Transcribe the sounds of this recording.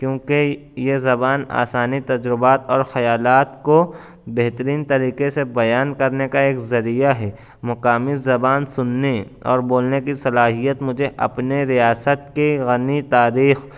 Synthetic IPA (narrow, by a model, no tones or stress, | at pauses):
kjõːke | jezɐbaːna̰ːsaːnit̪ɐd͡ʒɾɪbaːt̪ɔːɾxɐjaːlaːt̪ko | bɛɦt̪əɾiːnt̪ɐɾiːqesebɐjaːnkɐɾnekaeːkzɐɾijaɦɛː | mʊqaːmizɐbaːnsʊnːeɔ̰ːɾboːlnekisɐlaːɦijət̪mʊd͡ʒʱeʔɐ̰pneɾijaːsət̪̚keɣɐnit̪aːɾiːx